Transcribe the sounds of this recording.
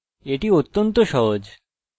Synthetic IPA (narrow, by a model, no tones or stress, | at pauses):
eʈiot̪ːont̪oʃɔɦod͡ʑ